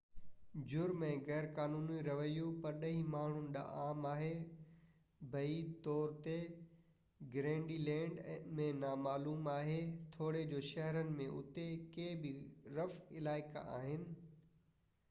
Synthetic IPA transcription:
d͡ʑʊɾmẽɣɛːɾkaːnuːniɾɐʋəjupɐɾɗɐɦimaːɳ̤ʊnɪ̆ɗa̰ʔaːmaːɦe | bʱɐiːt̪ɔːɾt̪e | ɡɾẽːɳɖiːlɛ̃ːɳɖmẽnaːmaːluːmaːɦet̪ʰoːɽed͡ʑoːʃɐɦɾənɪ̆mẽʔʊt̪ekeːbɪɾɐfɪlaːɪka̰a̰ːɦɪnɪ̆

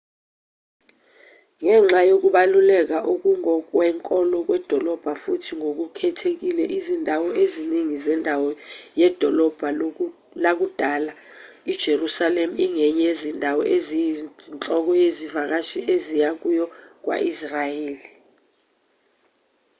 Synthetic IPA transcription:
ŋɛŋ͡ǁajok̬uɓalulɛk̬aʔuk̬uŋɔk̬wɛŋkʼɔlɔk̬wɛd̥ʱɔlɔb̥ʱafutʰiŋok̬ukʰɛtʰek̬ilɛʔizindʱawɔeziniŋizɛndʱawɔjɛd̥ʱɔlɔb̥ʱa | lak̬ud̥ʱaːla | id̥ʒ̥ʱerusalemuiŋɛɲɛezindʱawɔ̰ʔezint͡ɬɔk̬ɔjezivak̬aʃiʔezijak̬ujɔk̬wa̰ʔisrajeːli

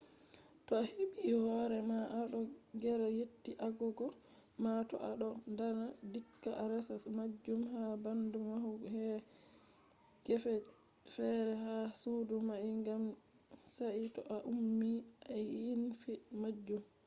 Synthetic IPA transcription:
taheɓihɔɾɛmaʔaɗɔɡɛɾajetːiʔaɡɔɡɔ | matɔ̰ʔaɗɔndanadikːaʔaɾɛsasmad͡ʒːumhabandumahuhɛ | ɡ̥ɛfɛ | fɛɾɛhasudumaiŋɡam | saʔitɔ̰ʔaʔumːiʔajinfimad͡ʒːum

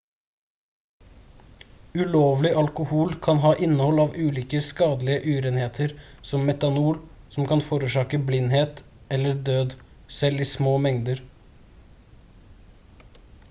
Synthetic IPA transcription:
ʉloːʋlɪʔɑlkʊhuːlkʰɑnɦɑːʔɪnːəhɔlɑːʋʉːliːkəskɑːd̪lɪəʔʉːɾeːnheːt̪ʰəɾ | sɔmːɛt̪ɑnuːɾ | sɔm̩kʰɑnfoːɾʉːʂɑːkəblɪnːheːt̪ | ɛlːəɾd̪øːd̪ | sɛliːsmoːmɛŋd̪əɾ

